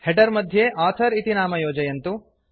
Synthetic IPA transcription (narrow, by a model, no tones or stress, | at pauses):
hɛʈɐɾmɐd̪ʱjeʔaːt̪ʰɐɾit̪inaːmɐjoːd͡ʒɐjɐnt̪u